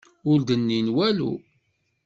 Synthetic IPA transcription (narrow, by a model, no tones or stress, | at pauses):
ʊld̪ənːinwælṵ